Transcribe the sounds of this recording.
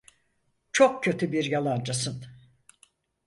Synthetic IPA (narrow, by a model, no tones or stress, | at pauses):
t͡ʃʰok̚cø̞t̪ʰybiɾjalˠand͡ʒasɯn